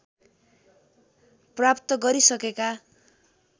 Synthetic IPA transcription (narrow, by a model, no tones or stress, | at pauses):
prapt̪ʌɡʌɾisʌkeka